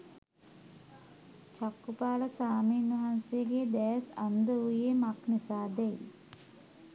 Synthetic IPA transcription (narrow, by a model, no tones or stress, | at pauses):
t͡ʃakːupaːləsaːmiːnʋɐɦansejəɡeːd̪ɛːsand̪əujemaknisaːd̪ɛji